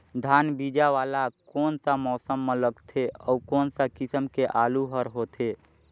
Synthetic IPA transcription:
d̪ʱaːnbid͡ʒaʋaːlakɔːnsamɔːsəmːẽləɡt̪ʰeɔːkɔːnsakɪsəmkeʔaːluɦəɾɦot̪ʰe

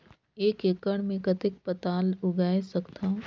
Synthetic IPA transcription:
eːkekəɽ̃mẽkɐt̪ɪk̚pɐt̪aːlʊɡaːesɐkt̪ãː

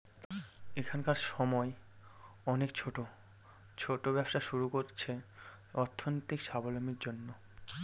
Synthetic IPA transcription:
ekʰankaɾʃɔmɔe | ɔnekt͡ɕʰoʈo | t͡ɕʰoʈobɛbʃaʃuɾukoɾt͡ɕʰe | ɔɾt̪ʰːonot̪ikʃabolomiɾd͡ʑonːo

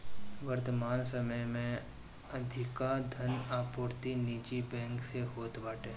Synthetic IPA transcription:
ʋəɾt̪əmaːnsəməjmẽ | ɐd̪ʱɪkad̪ʱənaːpoːɾt̪iniːt͡ʃibɛ̃ːŋkseɦoːt̪baːʈeː

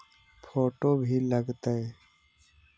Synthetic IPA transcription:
pʰoːʈobʱiləɡt̪əe

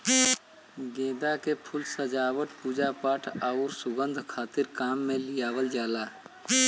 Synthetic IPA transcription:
ɡẽːd̪akepʰʊlsəd͡ʒaːwəʈpuːd͡ʒapaːʈʰaʊɾsʊɡə̃nd̪ʱkʰaːt̪ɪɾkaːmːẽlɪjaːwəld͡ʒaːlaː

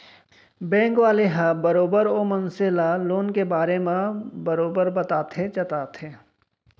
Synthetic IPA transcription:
bɛ̃ːŋkʋaːleɦãbɐɾoːbəɾoːmɐnselaloːnkebaːɾemãbɐɾoːbəɾbɐt̪aːt̪ʰet͡ʃɐt̪aːt̪ʰeː

